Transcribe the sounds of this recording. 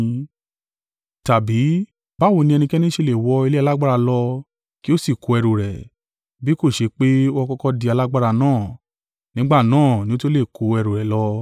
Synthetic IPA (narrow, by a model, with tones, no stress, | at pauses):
ta˨bi˨˦ | ba˦˨wo˧nĩ˧ɛ˧nĩ˧kɛ˦nĩ˦ʃe˧le˨wɔ˧i˧le˦a˧la˦ɡ͡ba˦ɾa˧lɔ˧ | ki˦o˦si˦˨ko˧˦ɛ˧ɾo˨ɾɛ˨ | bi˨˦ko˦˨ʃe˧k͡pe˦ɔ˦˧kɔ˦kɔ˧di˧a˧la˦ɡ͡ba˦ɾa˧nãː˦˨ | nĩ˨˦ɡ͡ba˦˨nãː˦˨nĩ˦o˦to˦le˦˨ko˨˧ɛ˧ɾo˨ɾɛ˨lɔ˧˦